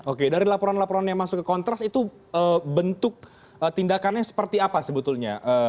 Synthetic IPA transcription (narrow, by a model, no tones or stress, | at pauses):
okedaɾilapoɾanlapoɾanjaŋmasʊkːəkɔnt̪ɾasit̪u | əbənt̪ʊk̚ | ət̪indakanɲasə̥pərt̪iapasəbət̪ʊlɲa̰ʔə